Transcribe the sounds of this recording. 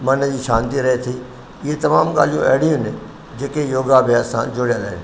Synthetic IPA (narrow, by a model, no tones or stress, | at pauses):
mɐnəd͡ʑiːʃãːnt̪iɾɐɦet̪ʰi | ɪɦet̪ɐmaːmɠa̰ːl̤ijũʔɛɦɽijʊ̃nɪ | d͡ʑeːkejoːɡabʱɪjaːsã̰d͡ʑʊɽijala̰ːɦɪn